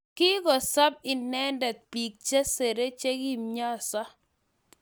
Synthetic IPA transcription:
ki˦ɡɔ˨sa˦b̚ɪ˨nɛ˦ndɛ˨t̪̚pi˨k̚t͡ʃa˦se˨ɾe˦t͡ʃe˦ɡi˦mɲa˦˨sa˦

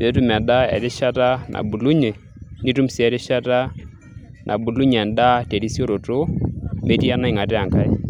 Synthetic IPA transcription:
e˦tu˦m˨a˨nda˦ɛ̰˨ɾɪ˦ʃa˦ta˦nʔa̰˨bu˨lu˦ɲɛ˨ | ni˦tu˦msi˨ɛ˨ɾɪ˦ʃa˦ta˦ | nʔa̰˨bu˨lu˦ɲɛ˨nda˦te˨ɾi˦so˦ɾo˨tʊ˦me˦ti˦a˦na˦ɪ˨ŋa˨tɛ˦a˨ŋka˦i˦

